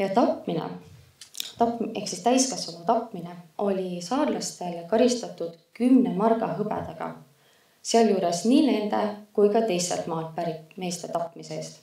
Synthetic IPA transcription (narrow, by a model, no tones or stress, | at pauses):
jɑt̪ɑpminḛ | t̪ɑpe̞ksist̪æjskɑsvɑmɑt̪ɑpmine̞ʔo̞lʲisɑːrlɑst̪e̞lkɑɾist̪ɑt̪ːˑud̪̥kymne̞mɑrɡ̥ɑɦɤbe̞̰d̪̥eɡ̥ɑ̰ | seɑljuːɾe̞sniːne̞nd̪̥e̞kujkɑt̪e̞jse̞̰lt̪mɑːlpæɾime̞ːst̪e̞t̪ɑpːˑmiseeːst̪